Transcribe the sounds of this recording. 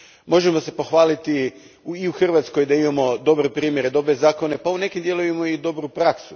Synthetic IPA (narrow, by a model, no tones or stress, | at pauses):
mo̞ʒe̞mo̞se̞po̞xʋaːlit̪i | uːuxr̩ʋat̪sko̞jd̪aimamo̞d̪o̞bɾe̞pɾiːmje̞ɾe̞d̪o̞bɾe̞zaːko̞ne̞paune̞kind̪jelˠojemo̞id̪o̞bɾupɾaksu